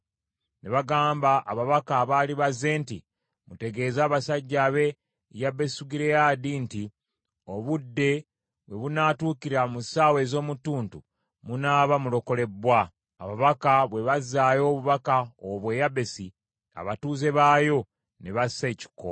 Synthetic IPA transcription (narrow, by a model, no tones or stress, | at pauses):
ne̞βaɡaːmbaʔaβaβakaːβaliβaze̞ːnti | mute̞ɡe̞ːzaːβasaɟːaːβe̞ | jabe̞suɡiɾe̞jaːdinti | oβudːe̞ | βwe̞βunaːtuːkiɾamusaːwe̞ːzo̞ːmutːuːntu | munaːβamulo̞ko̞le̞bwa̰ː | βaβakaβwe̞βazaːjo̞ːβuβakaoβwe̞jabe̞si | a̰βatuːze̞βaːjo̞ | neβaseci̥ko̰